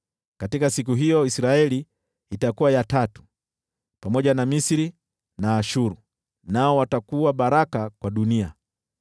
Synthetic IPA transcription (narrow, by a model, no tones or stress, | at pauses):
katikasik̬uɦijɔisiɾaɛliː | takuwajatatu̥ | pamɔʄanamisiɾi | naːʃuɾu | naɔwatakuwaɓaɾakakwaɗunia̰